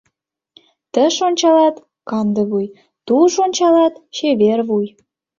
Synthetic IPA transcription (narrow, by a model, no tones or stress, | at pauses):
t̪ə̆ʃonʲt͡ɕɑlɑt̪ | kɑnd̪ə̆βuj | t̪uʃonʲt͡ɕɑlɑt̪t͡ɕeβerβuj